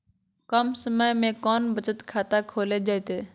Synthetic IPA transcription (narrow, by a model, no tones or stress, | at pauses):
kəmsəməjmẽkɔːnbət͡ʃət̪kʰaːt̪akʰoːled͡ʒaːet̪eː